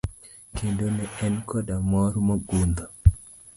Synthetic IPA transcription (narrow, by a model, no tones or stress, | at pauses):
kindonɛɛnkɔdamɔɾmaɡund̪ɔ